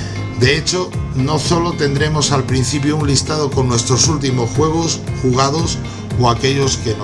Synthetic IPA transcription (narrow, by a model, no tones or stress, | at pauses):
d̪e̞et͡ʃo̞no̞so̞lo̞t̪e̞nd̪ɾe̞mo̞salpɾin̟θip̬jounlist̪aðo̞ko̞nːwe̞st̪ɾo̞sult̪̬imo̞sxwe̞ɣ̞o̞sxuɣ̞aðo̞s | oake̞ʎo̞sken